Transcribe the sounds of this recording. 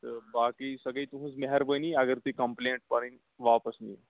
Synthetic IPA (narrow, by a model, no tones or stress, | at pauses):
t̪əɾbakiːsəɡiːt̪uɦũːsmeɦəɾbəniɐɡəɾt̪iːkəmpleɳʈ̚paɽ̃i | ʋapəsnij